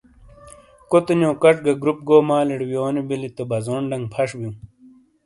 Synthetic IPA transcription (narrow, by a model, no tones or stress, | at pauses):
kot̪unjoːkɐʈ͡ʂɡɐɡɾup̚ɡoːmaːleɽwjoːnibilit̪ɐbɐzoːɳɖɐŋpʰɐʂbjĩ